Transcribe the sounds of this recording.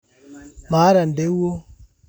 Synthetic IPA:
ma˨˦ɾa˨n˨de˨˦wo˦

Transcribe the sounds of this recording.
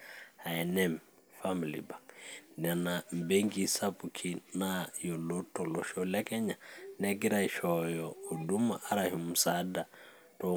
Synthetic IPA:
a˨ɛ˨nɛ˦m | fa˦mi˨lḭ˨ba˨ŋnɛ˨na˨m̩˨be˦ŋɡi˨sa˦pu˨kʰi˦na˦jo˨lo˦tːo˨lo˨ʃo˨lɛ˦kɛ˦ɲa˨nɛ˦ki˦ɾa˨iʃɔ˨jɔː˨du˦ma˨ʔːɾa˨hi˨mu˨sa˨da˨ | to

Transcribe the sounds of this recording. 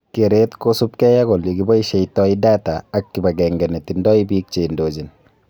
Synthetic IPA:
keɾetkosupkɛ˦ja˦ɡo˨li˨ɡibɔ˦iʃɛ˨jtɔ˦idaː˦taːkːiba˨ɡɛŋɡɛ˨ne˨tindɔː˦ibiː˦k̚t͡ʃe˨ndoːd͡ʒin

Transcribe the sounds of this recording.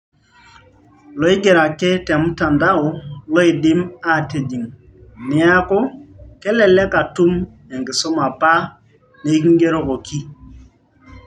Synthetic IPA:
lɔ˨˦i˦ɡe˨ɾa˨kɛ˦tɛ˨m˦ta˨nda˦ɔ˨lɔ˦i˨dɪ˦ma˦te˨d͡ʒi˨ŋ | nɪ˨˦a˦kɔ˦kɛ˦lɛ˨lɛ˦ka˨tu˦m | ɛ˨ŋɡɪ˨sɔ˦ma˨pa˦ | ne˨i˦ki˦ŋɡe˦ɾo˦kɔ˨ki˦

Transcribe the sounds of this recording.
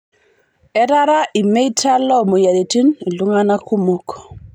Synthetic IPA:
ɛɾaɾaʔi˨me˦jtʰalːɔ˦mo˨ja˨de˨ti˦n˨luŋana˦kʰu˦mok

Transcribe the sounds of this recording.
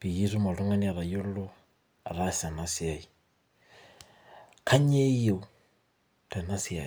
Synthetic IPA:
pi˨ji˦su˦ma˨ɾu˦ŋa˦ni˦a˨ɾa˨jo˦lo˦ | a̰˨ɾa˦sa˨na˦si˦a˨i˨ | kʰa˦ɲe˦je˦u | ta˨na˦si˦a̰˨

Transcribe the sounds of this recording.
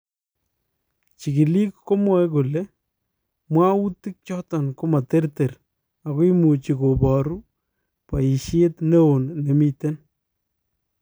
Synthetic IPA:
t͡ʃi˨ki˨li˦kːo˦mwɔ˦ɛ˦ku˨le˦ | mwa˦u˦ti˦k̚t͡ʃɔ˦ta˨nko˦ma˨te˦rte˨r | a˨kwi˦mu˨t͡ʃi˨ko˨bɔ˨ɾu˦ | pa˨i˨ʃe˦tne˦o˨nːe˨mi˦te˦n

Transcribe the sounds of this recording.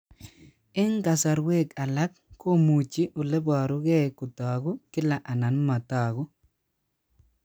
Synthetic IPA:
ɪ˦ŋka˨sa˨ɾwe˦ka˨la˦kːo˦mu˨t͡ʃi˦ʔo˨le˦ba˨ɾʊ˦ɡe˦˨kʊ˨taː˨ɡʊ˦kɪ˦la˨ʔa˨na˨nma˨ta˨ɡʊ˦

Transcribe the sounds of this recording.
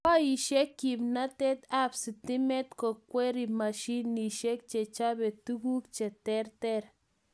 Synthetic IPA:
ka˦ji˨ʃe˦kːi˨bna˦t̪e˦t̪a˦bsi˨t̪i˦me˦t̪ko˨kʷe˦ɾi˨ma˨ʃi˦nːi˨ʃe˦k̚t͡ʃe˨t͡ʃa˦be˨t̪u˦ɡu˦kt͡ʃe˨t̪e˦ɾt̪e˦ɾ

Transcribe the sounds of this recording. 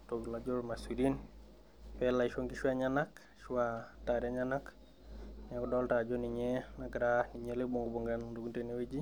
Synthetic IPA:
to˨ɡla˨d͡ʒo˦lmasi˨din | fɛla˨iʃo˦ŋkiʃwa˦ɲanak | ʃwata˨ɾja˦ɲanak | na˨kɔdɔlta˨d͡ʒoni˨ɲe˦naɡɾani˨ɲele˦bo˨ŋɡo˨bo˨ŋɡando˨ɡu˦nte˨ne˦we˦d͡ʒi˦

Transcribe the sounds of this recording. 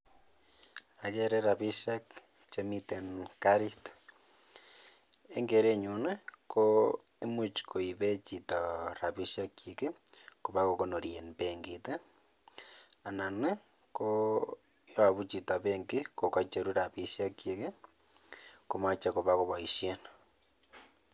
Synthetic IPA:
a˨ɣe˦ɾe˦ɾa˨βi˦ʃa˦k | t͡ʃe˦mi˦t̪e˨nkaɾit̪ | e˦ŋɡe˨ɾe˦ɲu˨ne˦ko | e˦mut͡ʃi̥kʰo˨i˨βe˦t͡ʃi˨t̪a˨ɾa˨βi˦ʃia˦kje˨ke˦ | ko˨βa˦ɣo˦ko˦no˨ɾie˨npe˨ŋɡi˨t̪e˦ | a˨na˨ne˦ | ko˦ | jo˦a˨βu˦t͡ʃi˨ta˨βe˦ŋɡi˦ko˨ka˦t͡ʃe˨ɾu˦ɾa˨βi˦ʃja˦kje˨ke˦ | ko˨ma˦t͡ʃa˦ko˨βa˦ɣo˦βa˨i˨ʃje˦na

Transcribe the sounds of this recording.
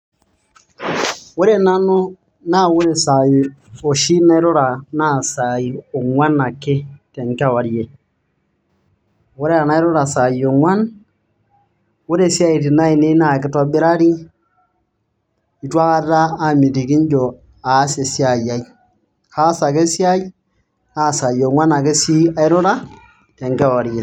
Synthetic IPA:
wo˦ɾe˦na˦nʊ˦ | na˦˨wʊ˦ɾe˨sa˨i˨o˨ʃi˦na˦i˦ɾo˦ɾa˨na˦˨sa˨i˨o˨ŋwa˦na˨kɪ˦te˨ŋka˦˨wa˨˦ɾje˨ | wo˦ɾe˦a˨na˦i˦ɾo˦ɾa˨sa˨jo˨ŋwa˦n | wo˦ɾe˦sja˦i˨ti˨na˦i˨ne˦na˦˨kɪ˦tɔ˦bɪ˦ɾa˦ɾi˦ | i˨twa˦ka˦ta˦a˨mi˨ti˨ki˦ɲd͡ʒo˨ | a˨˦se˨si˦a˨ja˨i˦ | kaː˦sa˨ke˦sja˦i˦ | naː˦˨sa˨jo˨ŋwa˦na˨ke˦si˦a˦ɪ˦ɾo˦ɾa˦ | te˨ŋka˨wa˨ɾje˨

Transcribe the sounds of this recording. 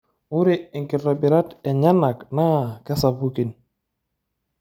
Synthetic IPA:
ʊ˦ɾɪ˦ɪ˨ŋkɪ˨tɔ˨bɪ˨ɾa˦tɛ˨ɲa˦na˨kna˦˨kɛ˦sa˨pu˦ki˨n

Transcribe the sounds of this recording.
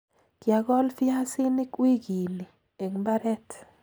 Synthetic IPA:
kja˨ɡɔ˦lfja˦sɪ˦nɪ˦kwi˦ɡi˨li˨ | e˨ŋmba˦ɾɛ˦t

